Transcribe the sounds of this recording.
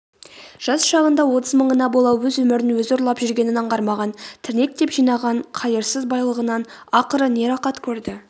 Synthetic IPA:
ʒ̥ɑsʃɑʁənd̪ɑwo̞t̪əzməɴənɑbo̞lˠɑwwɵzwɵmɪɾɪnwɵzoɾlˠɑpʒʏɾɡʲe̞nɪnɑɴqɑɾmɑʁɑnt̪ʰɪɾne̞k̚t̪e̞pʒijnɑʁɑɴqʰɑjəɾsəzbɑjlˠəʁənɑnɑqəɾəne̞ɾɑqɑt̪kʲʰɵɾd̪ɪ

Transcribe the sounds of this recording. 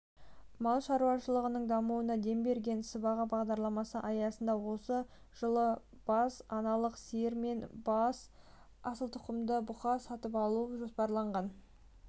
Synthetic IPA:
mɑlˠʃɑɾuwɑʃəlˠəʁənəɴd̪ɑmuənɑd̪e̞mbe̞ɾɡʲe̞nsəbɑʁɑbɑʁd̪ɑɾlˠɑmɑsəʔɑjɑsənd̪ɑwo̞sə | ʒ̥əlˠə | b̥ɑsɑnɑlˠəqseɾme̞nbɑs | ɑsəlˠt̪ʰʊqəmd̪əbʊχɑsɑt̪əpɑlˠuəʒo̞spɑɾlˠɑɴʁɑn

